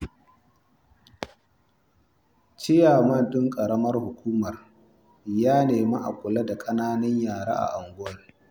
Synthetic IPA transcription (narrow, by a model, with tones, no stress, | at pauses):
t͡ʃɪ˦jaː˨mɐ˦ndʊ˦ŋkʼɐ˨ɽɐ˦mɐ˦rhʊ˨kʷuː˦mɐ˨r | jaː˦neː˨ma˦ʔa̰˨kʷʼʊ˨la˦da˨kʼɐ˦naː˦nɐ˦ɲjaː˨ɽa̰˦ʔa̰˨ʔa˨ŋɡʷʊ˦wɐ˦ŋ